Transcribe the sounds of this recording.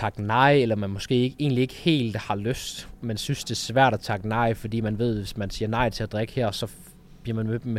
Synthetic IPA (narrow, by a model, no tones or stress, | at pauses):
ɑ̈ɡ̥nɑ̈ɪelɐmænmɒ̽sɡ̥e̝̰ːeɡ̥e̝̰ːnlie̝ɡ̥əhe̝̰ːld̥hɑ̈løsd̥mensynsd̥e̝ɐsʋæɐ̰ɾ̥æt͡sʰɑ̈ɡ̥ənɑ̈ɪfɒ̽d̥ḭːmænʋe̝ð̰ˠʋe̝smænsiːɐnɑ̈ɪ̰t͡sʰe̝æd̥ʁɛɡ̥ə̥hæɐ̰sɒ̽ | b̥liɐmænme̥me